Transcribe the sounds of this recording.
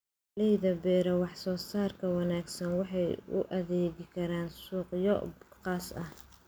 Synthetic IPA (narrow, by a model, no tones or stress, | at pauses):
lɛjðɐbɛːɾɐwɑħsɔːsaːrkʰɐwɑnaːɡsɐnwɑħɑjʊ̰ʔɐðɛːɣɪkʰɐɾaːnsuːqjɔ̰bqɑːsɐh